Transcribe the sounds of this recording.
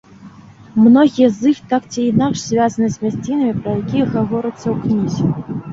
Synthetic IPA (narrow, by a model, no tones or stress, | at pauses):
mnɔɣʲijɛzɨxt̪akt͡sʲiːnakʂsʲvʲazɐnɨzʲvʲasʲt͡sʲinɐmʲipɾɐjakʲijɛɣavɔɾɨt̪sːɐwknʲizʲɛ